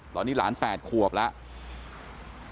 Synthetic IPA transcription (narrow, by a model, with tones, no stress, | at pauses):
t̪ɔː˨˦niː˦˥laː˩˦˥npɛː˨˩t̪̚kʰu˨˩əp̚la˦˥ʔ